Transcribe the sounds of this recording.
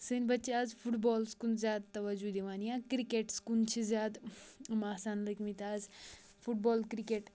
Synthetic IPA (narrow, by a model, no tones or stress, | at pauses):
sɨnʲbɐtːt͡ʃaːzfʰuʈbɔːlskunzjaːd̪̚t̪ɐʋɐd͡ʒud̪iʋaːnijãkɾikeːʈskunt͡ʃʰizjaːd̪maːsaːnləkmit̪aːz | fʰuʈ̚bɔːlkɾikeːʈ